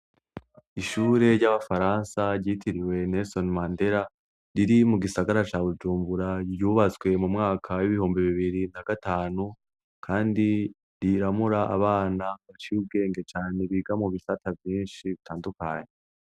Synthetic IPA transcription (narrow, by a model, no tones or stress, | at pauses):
iʃuːɾe̞ɾɟaβafaɾaːnsaɾɟiːtʰiɾiwe̞nesonmande̞ɾa | ɾiɾimuɡisaɡaɾat͡ʃaːβud͡ʒuːmbuɾaɾjuːβat͡swe̞mumŋaːkʰawiβihuːmbiβiβiɾinaɡataːnu | kʰaːndi | ɾiɾamuɾaʔa̰βaːnaβat͡ʃiub̚ɡe̞ːŋɡe̞t͡ʃaːne̞βiɡamuβisatʰavjiːnʃiβitʰaːndukaːɲe